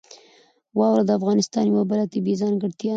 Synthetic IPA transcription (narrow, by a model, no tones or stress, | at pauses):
wɑwɾad̪əafɣɑnɪst̪ɑnjawabəlat̪ɪbizɑnɡəɽt̪jɑ